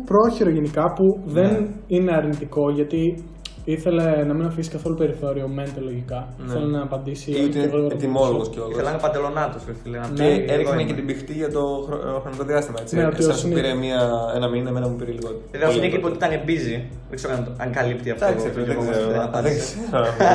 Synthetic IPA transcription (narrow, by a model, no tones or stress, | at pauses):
pɾo̞çiɾo̞ʝenikɐpuðe̞nine̞ɐɾnit̪iko̞ʝɐt̪i | iθe̞le̞nɐminɐfisi̥kɐθo̞lupe̞ɾiθo̞ɾio̞me̞nt̪elo̞ʝikɐiθelenɐːpɐnd̪isiut̪inɣot̪imoloɣosceoiθelɐnɐpɐnd̪elo̞nɐt̪osiθelenɐneevikemɲɐket̪ibixt̪iʝɐt̪o̞xoxɾo̞niko̞ðiɐst̪imɐet͡sineot̪iosnpiɾemiɐenɐminemenɐmupiɾeliɣot̪eeðenikipot̪it̪ɐnebizi | ðeɡze̞ɾokɐnɐŋkɐlipt̪iɐft̪ɐseezeoɐpɐd̪is